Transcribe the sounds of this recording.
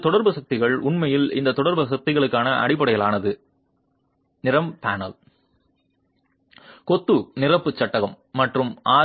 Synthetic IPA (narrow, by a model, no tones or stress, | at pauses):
t̪ɔɽɐɾbɯsɐk̚t̪ɪɣɐɭʊɳmɐjɪlɪ̰nd̪ɐt̪ːɔɽɐɾbɯs̬ɐk̚t̪ɪɣɐɭɯkːaːnɐʔɐ̰ɽɪp̬ːɐɽɐjɐlaːnɐðɯ | nɪrɐmpaːnɐ̰l | kɔt̪ːɯnɪrɐpːɯt͡ʃːɐʈːɐɣɐmːɐʈrɯmʔaː